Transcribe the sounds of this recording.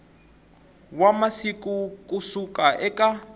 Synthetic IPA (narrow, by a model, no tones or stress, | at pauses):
wamasikukʼusukʼaʔɛkʼa